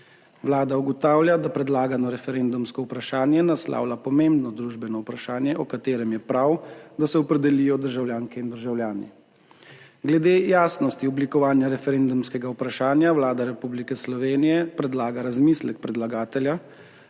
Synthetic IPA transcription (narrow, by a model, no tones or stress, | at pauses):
wlaːd̪auɡɔt̪aːwljad̪apɾɛd̪laːɡanɔɾɛfɛɾend̪umskɔupɾaʃaːnjɛnasla̰ːwlapɔmembnɔd̪ɾuʒbɛnɔupɾaʃaːnjɛʔɔkat̪eːɾɛmjɛpɾawd̪asɛɔpɾɛd̪ɛlijɔd̪əɾʒawljaːŋkɛind̪əɾʒawljaːnḭ | ɡlɛd̪eːjaːsnɔst̪iɔblikɔʋaːnjaɾɛfɛɾend̪umskɛɡaupɾaʃaːnjawlaːd̪aɾɛpublikɛslɔʋeːnijɛpɾɛd̪laːɡaɾazmislɛk̚pɾɛd̪laɡaːt̪ɛlja